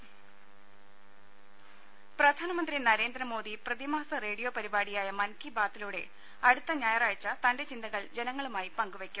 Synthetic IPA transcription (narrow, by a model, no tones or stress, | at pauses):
prɐd̪ʱaːnɐmɐnd̪rinɐɾe̞ːnd̪rɐmo̞ːd̪iprɐðimaːɐsɐre̞ːɽijo̞ːpɐɾibaːɽijaːjɐmɐnkibaːt̪ːiluːɽe̞̰ | ɐɽut̪ːɐɲaːjɐraːjt͡ɕːɐt̪ɐnde̞t͡ɕind̪ɐɣɐɭd͡ʑenɐŋːɐɭumaːjipɐŋɡuʋe̞kʲːum